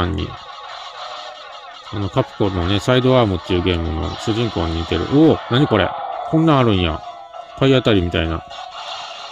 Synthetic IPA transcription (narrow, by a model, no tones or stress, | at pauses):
ãɲ̟ːḭ | ano̞kapɯ̟̥konone̞said̪o̞aːmɯ̟t̪ːeɯ̟ːɡẽ̞ːmɯ̟̰no̞̰ɕɨʑĩŋko̞ːɲ̟ːiit̪e̞ɾɯ̟̰ʔoːnaɲ̟iko̞ɾe̞̰kʰõ̞nːãaɾɯ̟̃ɰ̃ja̰ | ipʰːaiat̪aɾʲimʲit̪a̰ina̰